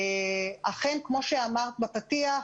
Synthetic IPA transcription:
aχenkmo̞ʃeamaʁt̪bapatia

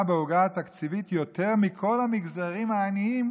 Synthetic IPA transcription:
beuɡaat̪akt͡sivit̪jot̪e̞ʁmikʰo̞lamiɡzaʁimaːniim

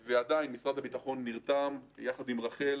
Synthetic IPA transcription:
vead̪ainmisʁad̪habit̪aχo̞nːiʁt̪amjaχad̪imʁaχel

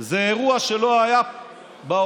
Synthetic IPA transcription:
zeeʁuaʃe̞lo̞aja | ba

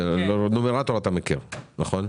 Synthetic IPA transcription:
lonomeʁat̪olat̪amekḭʁnaχo̞n

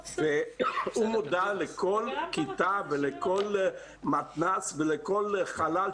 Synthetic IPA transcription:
veumud̪alɛkʰolkit̪avelɛkol | mat̪nasvelekolχalal

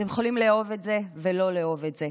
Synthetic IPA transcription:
temjeχolimleovetze̞velo̞leo̞vetze

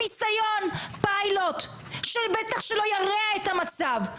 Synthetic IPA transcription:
isajo̞npailo̞t̪ | ʃelbet̪aχʃelo̞jaʁeaet̪amat͡sav

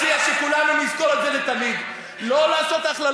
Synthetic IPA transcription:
iaʃekulanumizko̞let̪zelet̪amid̪ | lo̞laːso̞t̪aχla

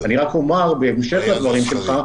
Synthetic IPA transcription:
aniʁakomaʁbeːmʃe̞χlad̪vaʁimʃelχa

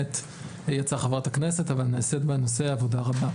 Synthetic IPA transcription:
et | jat͡saχavʁatakne̞se̞tavalnesetbenose̞avodaʁaba

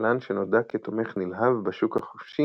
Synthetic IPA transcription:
lanʃenodaket̪ome̞χnilɦavbeʃukhaχofʃi

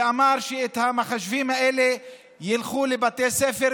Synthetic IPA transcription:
amaɾʃeet̪hamaχaʃvimhaʔeːle | jilχulebat̪esefe

